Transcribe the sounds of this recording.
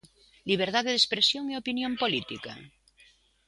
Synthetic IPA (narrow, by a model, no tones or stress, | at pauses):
liβ̞eɾt̪aðeðespɾesjoŋeopinjõmpolit̪ika̰